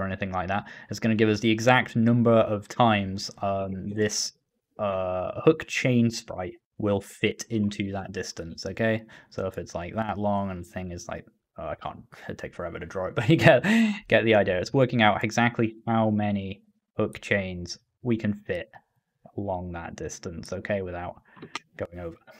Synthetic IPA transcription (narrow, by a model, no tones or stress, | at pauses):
ɛniθɪ̃ŋlaɪk̚ðæt̚ɨtsɡ̥ʌnɨɡɪvʌs̬ðiɨɡzæk̚tnʌ̃mbə˞ʔʌv̥tʰãɪ̃mz̥ʌ̃mðɪs | ʔʌhʊkt͡ʃʰẽɪ̃nspɹa̰ɪʔ̚ | wɪlˠfɪɾɪ̃ntʰʉðət̚d̥ɪstə̃nsoʊkʰeɪsoʊɪfɨtslaɪk̚ðəʔˡlɔ̃ŋə̃nθɪ̃ŋɨz̥la̰ɪk̚ | ʌaɪkʰɑ̰̃ːˑntʰeɪkfə˞ɛvə˞ɾɨdɹɔɨt̚b̥ʌt͡ʃɨɡɛt̚ɡ̥ɛt̪ʔðiaɪdiəɹɨtswɜ˞kɪ̃ŋaʊtɨɡzæk̚tʰˡlihaʊmɛñi | hʊkt͡ʃʰẽɪ̃nz̥ | wikʰɨ̃nfɪt | əlɔ̃ŋðə̰t̚d̥ɪstə̃nsoʊkʰeɪwɨðaʊt̚ɡ̥oʊɪ̃ŋoʊvə˞